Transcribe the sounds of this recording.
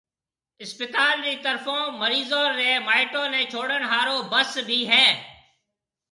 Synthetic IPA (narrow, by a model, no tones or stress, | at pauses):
ɪspɪt̪aːlːiːt̪əɾfõːməɾiːzõːɾːeːmaːɪʈõːnẽːt͡ʃʰoːɽənɦaːɾõːbəsbʱiːɦɛː